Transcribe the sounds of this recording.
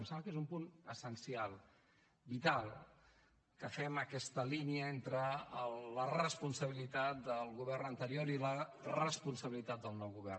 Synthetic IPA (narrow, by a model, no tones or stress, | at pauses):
msaβkezumpunəsənsialˠ | bit̪alˠ | kəfɛməkɛst̪əliniəent̪ɾəələrəspunsəβilit̪at̪̚d̪əlˠɣuβɛrnənt̪əɾioɾilərəspunsəβilit̪at̪̚d̪əlˠnɔwɣuβɛr